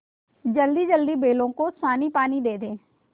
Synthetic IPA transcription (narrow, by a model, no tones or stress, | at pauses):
d͡ʒəld̪iːd͡ʒəld̪iːbeːlõːkoːsaːniːpaːniːd̪eːd̪eː